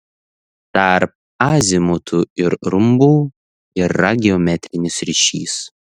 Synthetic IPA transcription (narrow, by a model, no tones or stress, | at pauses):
t̪ɐɾp̚ | aːzʲɪmʊt̪ʰuːɪɾɾʊmbuː | ɪɾːɐɡʲɪɔmʲɛt̪ʲɾʲɪnʲɪsɾʲɪʃʲḭːs